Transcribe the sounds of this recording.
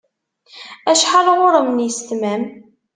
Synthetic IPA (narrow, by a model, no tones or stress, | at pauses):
æʃħalʁʊɾˤəmnjəst̪mæm